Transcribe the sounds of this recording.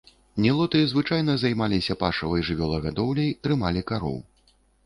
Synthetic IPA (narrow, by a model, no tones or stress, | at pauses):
nʲɛlˠɔt̪ɨzvɨt͡ʂajn̪ɐzajmalʲisʲɐpaʂɐvɐjʐɨvʲɔlˠɐɣad̪ɔwlʲɐjt̪ɾɨmalʲikaɾɔ̰w